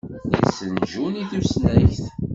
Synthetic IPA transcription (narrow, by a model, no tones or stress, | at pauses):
jə̰sːənʒuniθusnæçθ